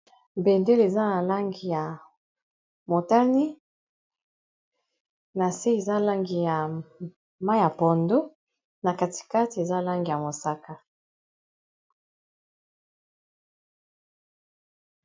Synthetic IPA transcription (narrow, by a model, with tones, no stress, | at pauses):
be˨nde˦le˨za˦na˨la˦ŋɡi˨ja˨ | mo˨ta˦ni˦ | na˨se˦e˨za˦la˦ŋɡi˨ja˨ | ma˦a˨po˨ndo˦ | na˨ka˨ti̥˨ka˦ti˨e˨za˦la˦ŋɡi˨ja˨mo˨sa˦ka˦